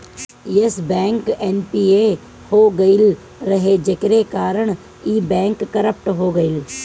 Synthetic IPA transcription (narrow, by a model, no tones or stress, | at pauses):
jesbɛ̃ːŋkɛnpiːe | hoːɡɐɪl | ɾɐɦed͡ʒɪkɾekaːɾəɳ̃ | iːbɛ̃ːŋkːɐɾəp̚ʈɦoːɡəɪl